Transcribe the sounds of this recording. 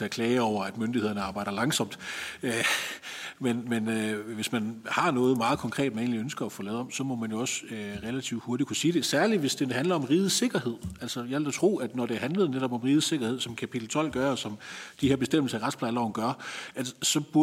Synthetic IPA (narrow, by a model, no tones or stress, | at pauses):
e̝ækʰlɛːɒʊ̰ɐæd̥mønd̥ihe̝ðˠɐnəɑ̈ːb̥ɑ̈ɪd̥ɐlɑ̈ŋsɒ̽m̰d̥ø | menmenøʋe̝smænhɑ̈nɔ̽ːð̩ˠmɑ̈ːð̩ˠkʰɒ̽ŋkʰʁɛ̰ːd̥̚mæne̝̰ːnliønsɡ̥ɐːfɔ̽lɛːðˠɒ̽msɒ̽mɒ̽mænjo̝ɒ̽søʁelæt͡sʰiʊd̥ho̝ɐdikʰusiːd̥e̝sæɐliʋe̝sd̥e̥hænlɐɒ̽mʁiːð̩ˠse̝ɡ̥ɐhe̝ð̞̰ˠæl̰sɒjald̥æt͡sʰʁo̝̰ːæd̥nɒd̥eɐɦænləð̩ˠneɾ̥ɒ̽b̥ɒ̽mʁiːð̩ˠse̝ɡ̥ɐhe̝ð̰ˠsɒ̽mkʰæpʰid̥l̩t͡sʰɒ̽l̰ɡ̥ɶɐɒsɒ̽md̥iheɐ̰besd̥em̰l̩sɐæʁad̥spʰlɑɪlɑʊnɡ̥ɶɐʔælsə̥sɒ̽b̥uɐ